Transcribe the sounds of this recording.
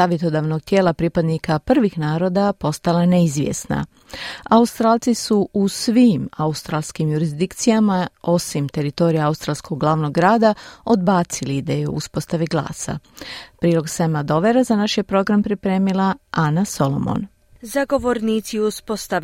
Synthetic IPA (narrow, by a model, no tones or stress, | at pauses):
saːʋje̞t̪o̞d̪aʋno̞ɡ̚t̪je̞ːlˠapɾipad̪nikapr̩ʋixnaːɾo̞d̪apo̞st̪alaneizʋjḛsna̰ | aust̪ɾaːlˠt̪sisuusʋiːmaust̪ɾaːlˠskimjuɾizd̪ikt̪sijamao̞simt̪e̞ɾit̪o̞ɾijaaust̪ɾaːlskʰo̞ɡɡlˠaːʋno̞ɡːɾaːd̪ao̞d̪baːt̪silid̪ejuo̰uspo̞st̪aʋiɡlˠa̰ːsa̰pɾiːlˠo̞ɡsemad̪o̞ʋe̞ɾazanaʃjepɾo̞ɡɾampɾipɾe̞ːmilˠaanaso̞lo̞̰mo̰n | zaɡo̞ʋoɾniːt̪siuspost̪a